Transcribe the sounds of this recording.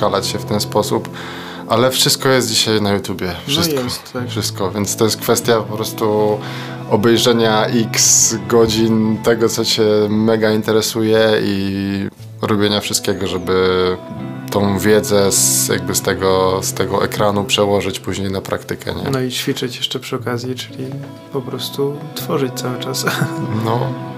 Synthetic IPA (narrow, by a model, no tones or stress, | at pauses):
kalat͡ɕɕɛft̪ɛnspɔsup | ʔalɛfʂɘst̪̚kɔjɛst̪̚d͡ʑiɕajnajut̪jubʲjɛfʂɨskɔ | fʂɘst̪̚kɔvʲjɛnt̪st̪ɔjɛst̪̚kfɛst̪ʲjappɔpɾɔst̪u | ɔbɛjʐɛɲaʔiksɡɔd͡ʑint̪ɛɡɔt̪sɔt͡ɕɛmɛɡaint̪ɛɾɛsujɛi | ɾɔbʲjeɲafʂɘst̪̚kʲɛɡɔʐɛbɘ | t̪ɔ̃w̃vʲjɛd̪zɛsja̰ɡ̚bɘst̪ɛɡɔst̪ɛɡɔʔɛ̰kɾanupʂɛwɔʐɘt͡ɕpuʑɲejnapɾʔa̰kt̪ɘkʰɛ̰ɲɛ̰nɔit͡ɕfʲit͡ʂɘt͡ɕjɛʂt͡ʂɛpʂɨɔkazʲjit͡ʂɘlʲi | pɔpɾɔst̪ut̪fɔʐɨt͡ɕt̪sawɘt͡ʂasnɔ